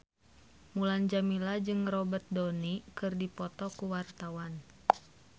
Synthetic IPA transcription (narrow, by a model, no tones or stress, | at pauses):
muland͡ʒamilad͡ʒɨŋrɔbət̪̚dɔnikɨrdipɔt̪ɔkuwart̪awan